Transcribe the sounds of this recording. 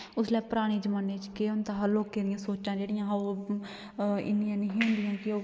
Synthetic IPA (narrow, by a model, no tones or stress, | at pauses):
ʊslɛːpʊɾaːɽ̃iːd͡ʒəmaːneːt͡ʃkeʊnt̪aːɦəloːkːeːɾɪjãːsoːt͡ʃãːd͡ʒeːɽɪjãːɦo | ɪ̰nːɪjãːnəɦĩːɦʊ̃nd̪ɪjãːkɪoː